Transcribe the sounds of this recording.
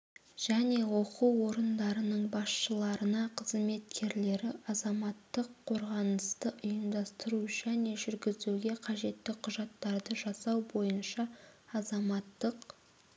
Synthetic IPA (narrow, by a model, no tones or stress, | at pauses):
ʒ̥æne̞wo̞quwːo̞ɾənd̪ɑɾənəɴbɑsʃəlˠɑɾənɑqʰəzme̞t̪̚kʲʰe̞ɾle̞ɾɪɑzɑmɑt̪ːəqʰːo̞ɾʁɑnəst̪əʔʊjəmd̪ɑst̪əɾuʒæne̞ʒʏɾɡʲɪzeɡʲe̞qʰɑʒe̞t̪ːɪqʰʊʒɑt̪ːɑɾd̪əʒɑsɑwbo̞jənʃɑːzɑmɑt̪ːəq